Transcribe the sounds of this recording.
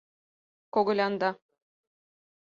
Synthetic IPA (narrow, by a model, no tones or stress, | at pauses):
koɡɤ̆lʲɑnd̪ɑ